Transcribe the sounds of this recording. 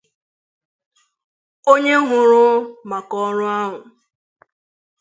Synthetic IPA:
o˦ɲe˦ɦʊ˨ɾʊ˦ma˨kɔ˦ɾʊ˦a˦ɦʊ˨

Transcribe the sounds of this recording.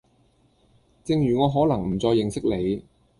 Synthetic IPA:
t͡sɪ˧ŋjyː˨˩ŋɔː˨˧ɦɔː˨˥lɐ˨˩ŋm̩˨˩t͡sɔː˧jːɪ˨˧ŋsɪ˥k̚le˨˧j

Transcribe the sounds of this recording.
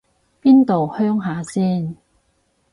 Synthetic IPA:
piː˥nt̪o˨whœː˥ŋɦaː˨˥siː˥˩n

